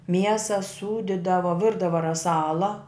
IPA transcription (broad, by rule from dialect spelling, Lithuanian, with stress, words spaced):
ˈmʲiɛsɐ ˈsuːdʲɪdɐʋoː ˈʋʲɪrdɐʋoː rɐˈsɑːlˠɐ